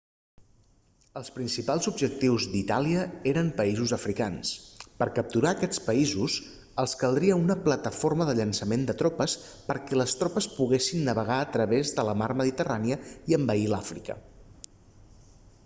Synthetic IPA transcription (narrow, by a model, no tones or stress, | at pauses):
əlˠspɾinsipalˠzubʒək̚t̪iwzd̪it̪aliəeɾəmpəizuzəfɾikanspəɾkəp̚t̪uɾaːkɛt͡spəizuz | əlˠskəlˠd̪ɾiəunəplət̪əforməðəʎənsəmend̪ət̪ɾɔpəs | pəɾkɛləst̪ɾopəspuɣesinːəβəɣaət̪ɾəβezðələmaɾməðit̪əraniəiəmbəilafɾḭkə̰